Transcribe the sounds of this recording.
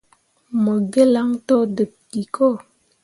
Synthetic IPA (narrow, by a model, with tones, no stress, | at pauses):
mə˨ɡə˦la˦ŋto˦də˨p̚ki˨kʰo˦˨